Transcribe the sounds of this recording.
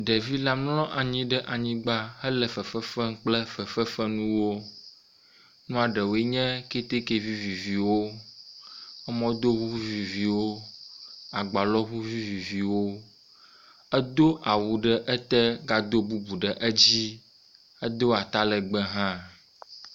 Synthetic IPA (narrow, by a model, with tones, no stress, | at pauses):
ɖɛ˨vi˦la˦mlɔ̃˦ʔa˨ɲĩ˦ɖɛ˦ʔa˨ɲĩ˦ɡ͡ba˦hə˦lɛ˨fɛ˨fɛ˦fɛ˦ŋ̩˦k͡plɛ˦fɛ˨fɛ˦fɛ˦nũ˦wo˦ | nũ˦a˨ɖə˨wo˨e˦ɲɛ̃˦ke˦t̪e˦ke˦vi˦vi˨vi˨wo˦ | ɛ˦mɔ̃˦d̪o˦ɣu˦u˦vi˨vi˨wo˦ | a˨ɡ͡ba˨lɔ˦ɦu˦vi˦vi˨vi˨wo˦ | ɛ˦d̪o˦ʔa˨wu˨ɖə˦ʔɛ˦t̪ɛ˦ɡa˨d̪o˦bu˦bu˨ɖə˨ʔə˦d͡ʑi˦ | ə˦d̪o˦a˨t̪a˦lɛ˨ɡ͡bɛ˦ɦã˦